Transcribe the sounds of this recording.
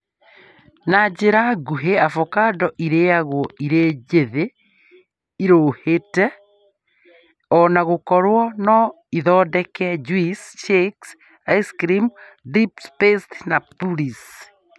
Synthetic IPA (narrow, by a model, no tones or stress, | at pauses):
nad͡ʒeɾaɡuɦeafɔkadɔʔiɾeaɣwɔʔiɾed͡ʒeðe | iɾoːhetɛ | ɔnaɣokɔɾwɔnɔ | iðɔːdɛkɛd͡ʒwisʃeks | aiskɾim | dipspestnapulis